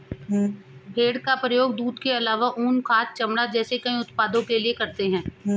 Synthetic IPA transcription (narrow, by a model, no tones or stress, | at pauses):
bʱeːɽkapɾɐjoːɡd̪uːd̪keɐlaːʋaʔuːnkʰaːt̪̚t͡ʃɐmɽad͡ʒɛːsekɐĩʊt̪paːd̪õkeliekɐɾt̪eɦɛ̃ː